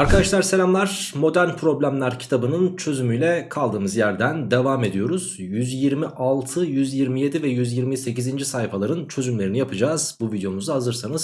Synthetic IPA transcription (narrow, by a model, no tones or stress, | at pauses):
aɾkʰad̪aʃlˠaɾse̞lʲamlˠaɾ̥mo̞d̪æɾnpʰɾo̞blʲæmlʲˠæɾcʰi̥t̪ʰabɯnɯnt͡ʃʰø̞zymyjlʲɛkʰalˠd̪ɯːmɯzjæɾd̪ænd̪e̞vaːme̞d̪ijo̞ɾuz̥jyzjiɾmiʔalˠt̪ʰɯjyzjiɾmije̞d̪ivɛjyzjiɾmise̞cizind͡ʒisaɦifalˠaɾɯnt͡ʃʰø̞zymlʲe̞ɾinijapʰɯd͡ʒaːzbuvid̪jo̞muzaɦazɯɾsanɯz̥